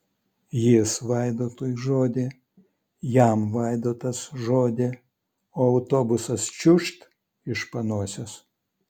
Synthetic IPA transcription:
jɪsʋɐɪd̪oːt̪uːjʒoːd̪ʲeː | jæmʋɐɪd̪oːt̪ɐsʒoːd̪ʲe | oːɐʊt̪oːbʊsɐst͡ʃʲʊʃt̪ | ɪʃpɐnuɔsʲos

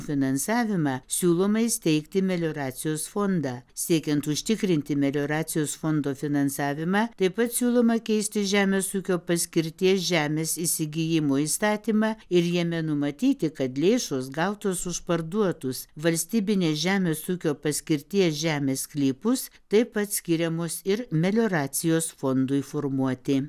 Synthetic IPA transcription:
fʲɪnɐnsɑːʋʲɪmɑːsʲuːlˠoːmɐɪsʲt̪ʲɛɪkt̪ʲɪmʲɛlʲoːɾɑːt̪sʲɪjoːsfoːnd̪ɑːsʲiɛkʲɛnt̪ʊʃʲt̪ʲɪkɾʲɪnʲt̪ʲɪmʲɛlʲoːɾɑːt̪sʲɪjoːsfond̪oːfʲɪnɐnsɑːʋʲɪmɑːt̪ɐɪpɐt̪sʲuːlˠoːmɐkʲɛɪsʲt̪ʲɪʒʲæːmʲeːsuːkʲoːpɐsʲkʲɪɾʲt̪ʲiɛsʒʲæːmʲeːsɪsʲɪɡʲɪjɪmoːiːst̪ɑːt̪ʲiːmɑːɪɾjɛmʲɛnʊmɐt̪ʲiːt̪ʲɪkɐt̪lʲeːʃoːsɡɐʊt̪oːsʊʃpɐɾd̪uɔt̪ʊsʋɐlʲsʲt̪ʲiːbʲɪnʲeːsʒʲæːmʲeːsuːkʲoːpɐsʲkʲɪɾʲt̪ʲiɛsʒʲæːmʲeːsklʲipʊst̪ɐɪpɐt̪sʲkʲɪɾʲɛmoːsɪɾmʲɛlʲoːɾɑːsʲɪjoːsfond̪ʊɪfoːɾmuɔt̪ʲɪ

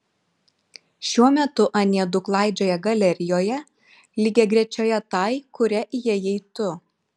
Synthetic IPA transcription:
ʃʲuɔmʲɛt̪ʊʔɐnʲiɛd̪ʊklˠɑˑɪd͡ʒʲoːjɛɡɐlʲɛɾʲɪjoːjɛ | lʲɪɡʲeɡɾʲɛt͡ʃʲoːjɛt̪ɑɪkʊɾʲɛʔjɛjɛɪt̪ʊ

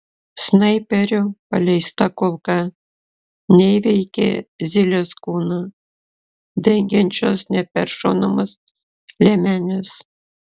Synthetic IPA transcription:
snɐɪpʲɛɾʲopɐlʲɛɪst̪ɑkolˠkɑ | nʲɛɪʋʲɛɪkʲḛzʲilʲeskuːnɑ | d̪ʲɛŋʲɡʲɛnʲt͡ʃʲosnʲɛpʲɛɾʃo̰nɐmɐs | lʲɛmʲænʲɛs

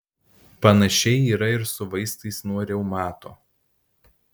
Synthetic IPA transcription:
pɐnɐʃʲɛɪiːɾɐɪɾsʊʋɐɪst̪ɐɪsnuɔɾʲɛʊmɑːt̪oː

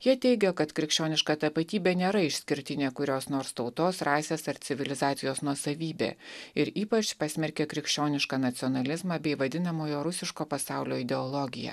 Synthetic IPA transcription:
jiɛt̪ʲɛɪɡʲɛkɐt̪kɾʲɪkʃʲt͡ʃʲoːnʲɪʃkɑːt̪ɐpɐt̪ʲiːbʲeːnʲeːɾɐɪʃʲsʲkʲɪɾʲt̪ʲɪnʲekʊɾʲoːsnoːɾst̪ɒʊt̪oːsɾɑːsʲeːsɐɾsʲɪʋʲɪlʲɪzɑːt̪sʲɪjoːsnuɔsɐʋʲiːbʲḛːɪɾiːpɐt͡ʃpɐsʲmʲɛɾʲkʲekɾʲɪkʃʲt͡ʃʲoːnʲɪʃkɑːnɐt̪sʲɔnɐlʲɪzmɑːbʲɛɪʋɐd̪ʲɪnɐmoːjoːɾʊsʲɪʃkoːpɐsɑˑʊlʲoːɪd̪ʲɛɔlˠɔɡʲɪjɛ̰

